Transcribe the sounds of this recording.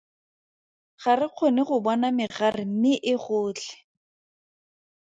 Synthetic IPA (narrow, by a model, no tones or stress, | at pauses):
χarɪq͡χʰonɪχʊbɔnamɪχarɪm̩mɪʔɪχʊːt͡ɬɛ̥